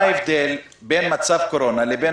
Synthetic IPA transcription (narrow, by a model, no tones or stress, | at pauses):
evd̪el | benmat͡savko̞ɾo̞nalebe